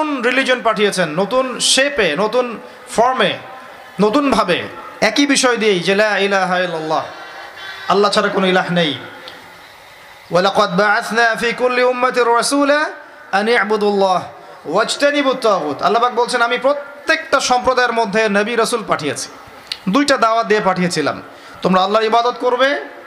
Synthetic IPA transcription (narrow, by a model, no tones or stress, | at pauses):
nɾilid͡ʑonpaʈʰijet͡ɕʰenːot̪unʃepenot̪un | fɔɾme | not̪unbʱabḛɛkibiʃɔed̪ijejd͡ʑelaːilaɦailːɐlˤːɑː | ɐlːat͡ɕʰaɾakonoilaɦnej | wɐlɑqɑd̪baʕaθnaːfiːkulːiʊmːat̪rːɐsuːla | ɐnaʕbʊd̪alːɑːɦ | wɐd͡ʒt̪anibut̪ːaːuːt̪ɐ̰lːapak̚bolt͡ɕʰenamipɾot̪ːek̚ʈaʃɔmpɾod̪aeɾmod̪ʱːenɐbiɾɐsulpaʈʰijet͡ɕʰi̥ | d̪ujʈad̪aoad̪ijepaʈʰijet͡ɕʰila̰m | t̪omɾaɐlːaɾibad̪ot̪koɾbe